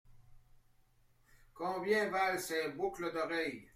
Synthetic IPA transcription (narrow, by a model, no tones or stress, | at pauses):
kɔ̃ːbjɛ̃valsɛbukləd̪ɔʁɛj